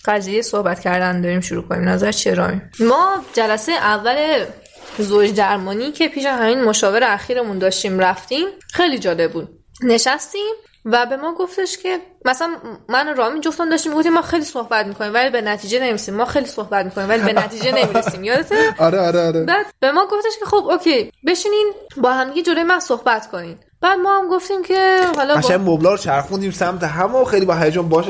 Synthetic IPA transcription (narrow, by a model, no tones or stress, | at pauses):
ɢæzijejesohbæt̪cʰæɾd̪ænd̪ɒːɾiːmʃuɾuːkʰonḭːmnæzæɾt͡ʃʰeɾɒ̰ːmimɒːd͡ʒælæsejeʔævːæle̞ | zod͡ʒd̪æɾmɒːniːcʰe̞pʰiːʃ̬æzhæminmoʃɒːve̞ɾeæxiːɾemund̪ɒːʃt̪iːmɾæft̪iːmxe̞jlid͡ʒɒːle̞b̚buːd̪̚ | ne̞ʃæst̪iːm | væbe̞mɒːɡo̞ft̪e̞ʃcʰe̞mæsæænmænoɾɒːmind͡ʒoft̪æmd̪ɒːʃt̪iːmɡoft̪imːɒːxejliːsohbæt̪miːkʰo̞niːmvælibe̞næt̪ʰiːd͡ʒenevisiːmːɒːxejlisohbæt̪̚mikonimvælibe̞næt̪ʰiːd͡ʒd͡ʒene̞miːesiːmjɒːd̪et̪ʰeɒɾeɒɾeɒɾebæːd̪̥b̥e̞mɒːɡoft̪e̞ʃkʰe̞xobokʰejbe̞ʃiːniːnbɒːhæmd̪iɡed͡ʒo̞ɾojemænsohbæt̪kʰo̞niːd̪ | b̥æːd̪mɒːhæmɡoft̪iːmcʰe̞ɦɒlɒʃæmmːoblɒːɾot͡ʃʰæɾxund̪iːmsæmt̪ʰeɦæmoxejlibɒɦæjd͡ʒɔnbɒːʃ